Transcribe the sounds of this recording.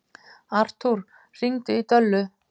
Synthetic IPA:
ar̥t̪ʰuɾ̥ | r̥iŋt̪ɪit̪œlːʏ

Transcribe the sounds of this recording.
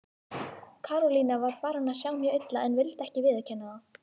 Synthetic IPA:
kʰaːɾɔliːnavaɾ̥faːɾʏnasjawmjœːɣejt̪laɛnvɪlt̪ɛhcɪvɪːðḁcʰɛnːaðaw

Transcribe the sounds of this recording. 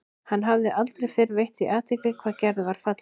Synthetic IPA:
hanːɦavðɪʔalt̪ɾejfɪɾvejht̪iʔaːt̪ʰejklɪkʰvaːðcɛɾðɪvaɾ̥fat̪l

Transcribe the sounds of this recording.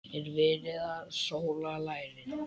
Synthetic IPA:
ɛɾvɪːɾɪðaðsoːwlalaːjɾɪ

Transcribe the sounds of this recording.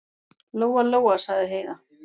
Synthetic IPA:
loːwaloːwasaɣðɪɦeːjða

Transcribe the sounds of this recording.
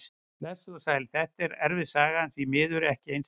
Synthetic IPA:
lɛsɔsaːjlɪθɛht̪ɛɾɛ̰ɾvɪðsaːɣaanθvimɪːðʏɾɛhcɪejns

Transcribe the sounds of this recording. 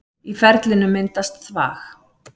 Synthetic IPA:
ifɛɾt̪lɪnʏmːɪnt̪ast̪θva̰ːx

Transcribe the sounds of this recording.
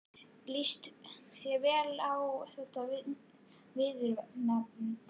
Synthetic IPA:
list̪sjɛvɛːlawθɛt̪avɪ | vɪðʏɾvɛnapnɪ

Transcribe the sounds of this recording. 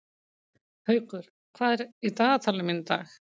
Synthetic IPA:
hœɥkʏɾ̥ | kʰv̥aːðɛɾit̪aːɣt̪ʰalɪmɪnt̪a̰ːx

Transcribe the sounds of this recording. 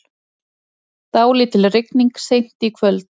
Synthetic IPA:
t̪aːwlɪt̪ʰɪlrɪkniŋksejm̥t̪ikʰvœlt̪n

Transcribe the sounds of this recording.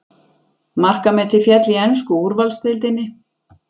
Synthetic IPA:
mar̥kamɛt̪ʰɪfjɛt̪liɛnskʏuɾvalst̪ɪlt̪̬ɪnːɪ

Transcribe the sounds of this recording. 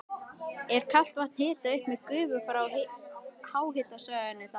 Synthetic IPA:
ɛɾ̥kʰal̥t̪vaht̪n̥hɪːt̪aʏhpmɛkʏːvʏfɾaw | haːwhɪt̪asœːɣɪnʏθ

